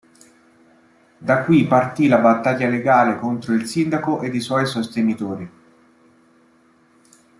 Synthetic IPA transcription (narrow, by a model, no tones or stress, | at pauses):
d̪akːwipart̪ilabat̪ːaʎːaleɡaːlekont̪ɾoilsind̪akoʔed̪iswɔjsost̪enit̪oːɾi